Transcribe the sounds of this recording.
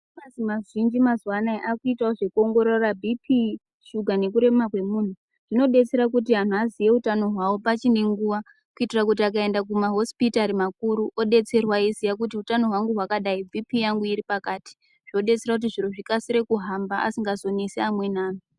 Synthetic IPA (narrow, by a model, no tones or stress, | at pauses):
mazimaʐind͡ʒimazwanaeʔakuitaoʐe̞kuo̞ŋɡo̞ɾo̞rabʱipʰi | ʃuɡʱane̞kuɾe̞makwe̞mun̤u | ʐ̥ino̞ɗe̞t͡se̞ɾak̬ut̬iɦan̤uazije̞utano̞ɦwawopat͡ʃine̞ŋɡuʋa | kuitirak̬utiakae̞ndakumaɦo̞spitaɾimakuɾuʔo̞ɗe̞t͡se̞rwaizijak̬ut̬iutano̞ɦwaŋɡuɦwakaɗaibʱipijaŋɡuiɾipakaːti̥ | ʐ̥o̞ɗe̞t͡se̞rakut̬iʐiɾoʐikasiɾe̞kuɦambaʔa̰siŋɡazo̞neseamwe̞naːn̤i